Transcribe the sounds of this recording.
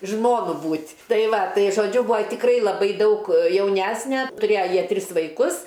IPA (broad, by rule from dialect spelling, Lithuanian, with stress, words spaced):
ˈʒmoːnʊ ˈbuːtʲ ˈtɐɪ ˈʋɐ ˈtɐɪ ʒoːˈd͡ʒʲʊ ˈbuːɐ tʲɪkˈrɐɪ lˠɐˈbɐɪ ˈdɐʊk jɛʊˈnʲæsʲnʲɛ tʊˈrʲeːjɛ ˈjiɛ ˈtʲrʲɪs ʋɐɪˈkʊs